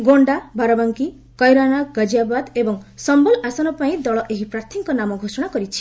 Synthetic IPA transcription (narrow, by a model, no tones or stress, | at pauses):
ɡoɳɖabʱaɾɔbaŋki | kɔjɾanaɡad͡ʒiabad̪ebɔŋsɔmbɔlasɔnɔpaĩd̪ɔɭɔʔeɦipɾaɾt̪ʰiŋkɔnamɔɡʱosɔɽ̃akɔɾit͡ʃʰi̥